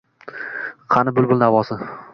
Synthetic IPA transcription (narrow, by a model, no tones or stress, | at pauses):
qʰɑnɪbʊlˠbʊlˠnavɒsɪ